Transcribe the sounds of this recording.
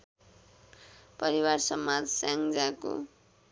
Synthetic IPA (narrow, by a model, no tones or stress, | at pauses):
pʌɾiwarsʌmːad͡zsaŋd͡zako̰